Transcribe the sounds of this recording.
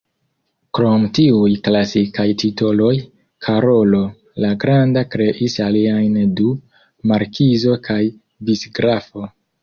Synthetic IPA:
kɾo̞mtiujklasikajtʰitolo̞j | kʰaɾo̞lo̞ | laɡɾandakɾe̞ʔisaliajndu | maɾkizo̞kʰaj | bisɡɾafo̞

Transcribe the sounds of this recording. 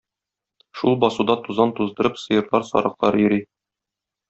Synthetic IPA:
ʃulˠbɒsud̪ɑt̪uzɑnt̪uzd̪ɤ̆ɾɤpsɤ̆jɤ̆ɾlˠɑɾsɒ̰ɾɤ̆qlˠɑɾjɵ̆ɾi

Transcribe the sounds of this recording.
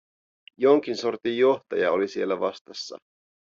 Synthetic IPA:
jo̞ŋk̟insort̪ijːo̞ht̪ɑjɑolisie̞lːæʋɑst̪ɑsːɑ̰

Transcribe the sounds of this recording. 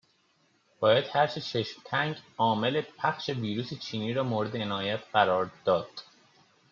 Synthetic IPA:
b̥ɒːjæd̪̥hæɾʃet͡ʃʰeʃmt̪ʰæŋɟɒːme̞lepʰæxχʃe̞viːɾuːset͡ʃʰiːniːɾɒːmoːɾe̞d̪eenɒːjæt̪ʰɢæɾɒːɾd̪̥ɒːd̪̥

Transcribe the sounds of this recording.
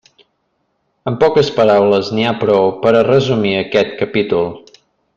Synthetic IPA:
əmpɔkəspəɾawləzniapɾɔwpəɾərəzumiəkɛt̪kəpit̪ulˠ

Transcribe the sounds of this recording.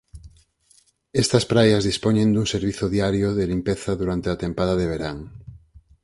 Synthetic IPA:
est̪ɐspɾajɐzðispoɲẽnd̪uŋseɾβiθoðiaɾjoðelimpeθaðuɾant̪eat̪empaðaeβ̞eɾaŋ

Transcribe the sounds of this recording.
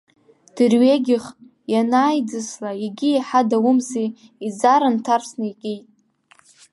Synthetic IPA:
d̥ɨrɥeɡʲɪχ | janaːjd͡zɨslaiɡʲiiħadawʊmzi | id͡zaɾantʰarsnɨiqʲʼijtʼ

